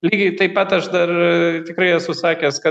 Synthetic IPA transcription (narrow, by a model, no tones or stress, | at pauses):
lʲiːɡʲɪt̪ɐɪpɐt̪ɐʃd̪ɐrt̪ʲɪkɾɐɪɛsʊsɑːkʲɛskɐ